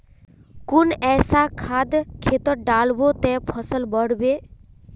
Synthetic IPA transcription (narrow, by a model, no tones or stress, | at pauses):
kunɛsakʰad̪kʰet̪ɔɖalbot̪ɛ̃pʰɔsəlbɔɽbe